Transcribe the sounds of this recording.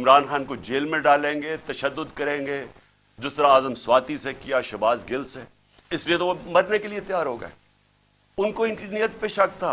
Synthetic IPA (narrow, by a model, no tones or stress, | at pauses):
ɪ̃mɾaːnxaːnkod͡ʒeːlmẽɖaːlẽːŋɡet̪ɐʃəd̪ːʊd̪kɐɾẽːŋɡeː | d͡ʒɪst̪əɾãaːzəmswaːt̪isekijaʃɐbaːzɡɪlse | ɪsliet̪oomɐɾnekeliet̪jaːɾɦoːɡa̰ːɛ | ʊnkoɪ̃nkɾinijət̪̚peʃɐk̚t̪ʰːaː